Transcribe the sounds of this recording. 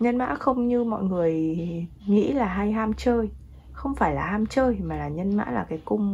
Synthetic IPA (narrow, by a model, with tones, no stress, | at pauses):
ɲə˧nma̰ː˧˥xə˧wŋ͡mɲɨ˧mɔ̰˧˨jŋɨ˨˩əj | ŋḭ˧˥laː˨˩ɦa˧jɦaː˧mt͡ɕəː˧j | xə˧wŋ͡mfaː˧˩jlaː˨˩haː˧mt͡ɕəː˧jmaː˨˩laː˨˩ɲə˧nma̰ː˧˥laː˨˩kaː˨˦jkʊ˧ŋ͡m